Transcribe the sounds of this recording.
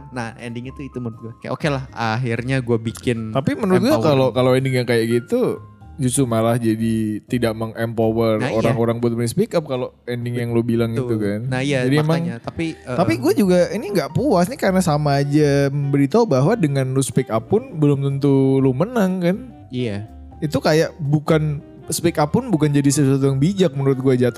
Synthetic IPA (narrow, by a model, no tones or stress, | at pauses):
nahɛndɪŋit̪uit̪umənɾʊt̪̚ɡuakaja̰ʔokelahaɦirɲaɡuabikɪnt̪apimənəɾʊt̪ɡuakalokaloɛndɪŋjaŋkajaʔɡit̪u | d͡ʒust̪umalahd͡ʒadit̪idaʔmaŋʔɛmpowəroɾaŋoɾaŋbuat̪̚mənispikap̚kaloɛndɪŋjaŋlubilaŋɡit̪ukannaijad͡ʒadimemaŋɲat̪apit̪apiɡuad͡ʒuɡainiŋɡaʔpuasnikaɾənasamaːd͡ʒaməmbəɾit̪aubaɦwadəŋanluspikapʊnbəlʊmt̪ənt̪ulumənəŋkan | a | it̪ukajaʔbukan | spikapːʊnbukand͡ʒadisəswat̪̬ujaŋbid͡ʒak̚mənuɾʊt̪̚ɡuad͡ʒat̪